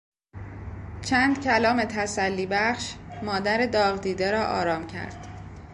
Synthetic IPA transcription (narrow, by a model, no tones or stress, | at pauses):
t͡ʃʰænd̪̥cʰælɒːme̞t̪ʰæsælːiːbæχʃmɒːd̪æɾe̞d̪ɒːɣʁd̪iːd̪eɾɒːʔɒ̰ːɾɒːmcʰæ̰ɾd̪̥